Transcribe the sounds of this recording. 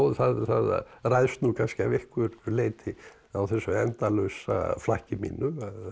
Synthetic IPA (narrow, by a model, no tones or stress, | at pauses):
oðθaðθa̰ð̰rajðst̪nukʰanscɪavehkvʏɾleːjt̪ʰɪ | awθɛsːœɛnt̪alœɥsa̰flahcɪmḭnːʏað